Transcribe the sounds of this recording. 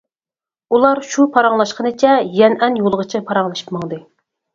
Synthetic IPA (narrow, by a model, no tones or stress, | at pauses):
ulˠɑɾʃupʰɑɾɑŋlˠɑʃqənɨt͡ʃʰɛjɛnɛnjolˠʁət͡ʃʰipʰɑɾɑŋlˠɨʃi̥pmɑŋd̪ɨ